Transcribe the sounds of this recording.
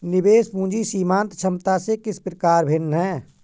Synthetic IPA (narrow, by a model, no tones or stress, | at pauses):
nɪbeːspũːd͡ʒisiːmãːnt̪t͡ʃʰəmt̪asekɪspɾəkaːɾbʱenɦɛ̃ː